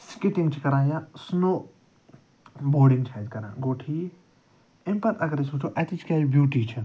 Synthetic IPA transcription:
skɪʈiŋɡt͡ʃʰikɐɾãːjasnoː | boːɖĩŋɡt͡ʃʰɛːd͡ʒkɐɾã̰ːɡoːʈʰi | empɐt̪ɐɡɐɾisuːt͡ʃʰoʔɛt̪it͡ʃʰkʲaːd͡ʒbjuːʈiːt͡ʃʰi

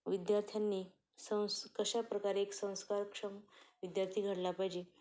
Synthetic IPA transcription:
ʋid̪jaɾt̪ʰjanːiː | sə̃w̃skəɕapɾəkaɾeːksə̃w̃skaɾkʂəmʋid̪jaɾt̪ʰiːɡʱəɽlapajd͡ʑe

